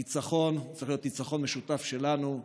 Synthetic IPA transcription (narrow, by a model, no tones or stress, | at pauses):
it͡saχo̞nt͡saʁiχlijo̞t̪nit͡saχo̞nmeʃutafʃe̞lanu